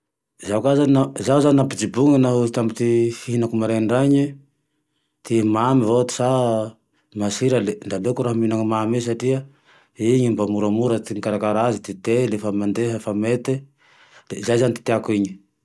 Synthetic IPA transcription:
zakazannazauzaninapid͡ʒibuŋanaɦuzit̪amit̪ifiɦinakumaɾeɳɖ͡ʐaɲi | t̪imamivot̪u̥sa | masiɾaleɳɖ͡ʐalekuɾaɦaminaŋmames̬aʈ͡ʂia | iɲimbamuɾamuɾat̪iŋkaɾakaɾazit̪it̪elefamand̪eɦafamet̪e | zajzanit̪i̥t̪eakuiɲi̥

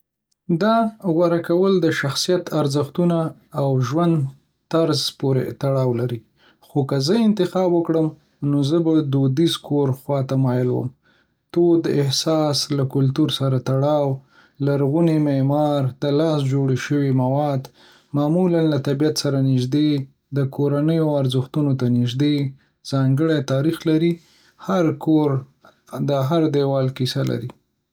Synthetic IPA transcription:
d̪ɑɣwaɾakawəld̪əʃaxsijat̪ʰaɾzəxt̪unaːwʒwand̪ | t̪aɾzpoɾḛt̪aɽɑwlaɾi | xokazəɪnt̪ɪxɑbwəkɽəm | nozəbad̪od̪izkʰoɾxwɑt̪amɑjɪlwə̰m | t̪od̪əɪhsɑslakʊlt̪uɾsaɾat̪aɽɑw | laɾɣunimemɑɾd̪əlɑsd͡ʒoɽʃəwimawɑd̪ | mɑmulanlat̪abijat̪saɾanɪʒd̪e | d̪əkʰoɾanəjoaɾzʊxt̪unot̪anɪʒd̪e | z̥ɑŋɡəɽet̪ɑɾixlaɾi | haɾkoɾ | d̪əɦaɾd̪ewɑlkisala̰ɾi

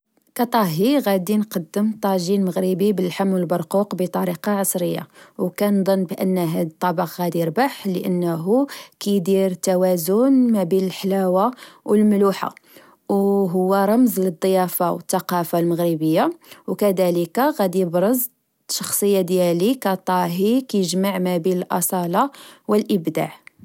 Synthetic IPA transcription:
kæt̪ˤɑɦiɣæd̪inqɑd̪ːəmt̪ˤɑʒinməɣɾibibəlħamːwəlbɑɾˤquqbət̪ˤɑɾiqɑʕɑsˤɾəjːa̰wkænd̪ˤɑnːbʔə̰nːɦæd̪ət̪ˤːɑbɑqɣæd̪iɾbaħləʔənːɦukæjd̪iɾt̪ːæwæzʊnmæbinəlħlæwawəlmluħa̰ | wɦʊwːæɾˤɑmzləd̪ˤːəjæfawət̪ːɑqɑfalməɣɾibəjːawkæd̪æləkaɣæd̪ijəbɾˤəz | ʃɑ̥xsˤəjːad̪jælikæt̪ˤɑɦikæjʒmaʕmæbiləlʔɑsˤɑlɑwəlʔəbd̪a̰ʕ

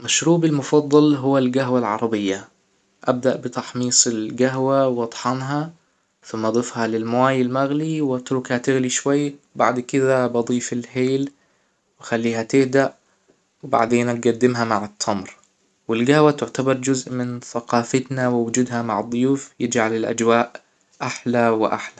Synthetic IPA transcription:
maʃɾuːbɪlmʊfɑðˤːɑlɦʊwːalɡaɦwalʕɑ̰ɾˤɑbɪjːa | ʔab̚d̪aʔbɪt̪ɑħmiːsˤɪlɡaɦwawʔɑt̪ˤħɑnɦɑ | θʊmːɑd̪ˤɨfhɑlɪlmwaːjɪlmaɣliwʔat̪ɾʊkhat̪ɪɣliʃwajːbaʕd̪kɪðabɑd̪ˤiːfɪlheːl | wɪxalːiːɦat̪ɪhd̪aʔ | wba̰ʕd̪eːnb̪̚ɡad̪ːɪmɦamaʕɪt̪ʰːɑmɾ | wɪlɡahwat̪ʊʕt̪abɑɾˤd͡ʒʊzʔmɪnθaqɑːfat̪nawɪwʊd͡ʒuːd̪hamaʕɨd̪ˤːʊjuːfjɪd͡ʒʕalɪlʔa̰d͡ʒwaːʔ | ʔaħlawɪʔa̰ħla

